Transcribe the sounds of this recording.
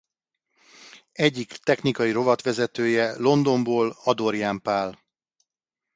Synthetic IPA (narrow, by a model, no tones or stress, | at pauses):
ɛɟːikt̪ɛxnikɒjiɾo̞vɒt̪ʋɛzɛt̪øːjɛlo̞nd̪o̞mboːlɒd̪o̞ɾjaːmpaːl